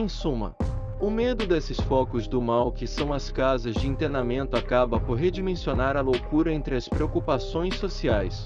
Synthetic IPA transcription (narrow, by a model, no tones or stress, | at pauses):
ẽj̃sũmɐ̰ | ʊmed̪ʊd̪esɪsfɔkʊzd̪ʊmawkɪsɐ̃w̃ɐskazɐzd͡ʒɪĩnt̪enamẽnt̪ʊakabɐpoɾɦed͡ʒimẽsionaɾɐlowkuɾɐẽnt̪ɾɪɐspɾeokupasõj̃sːosiajs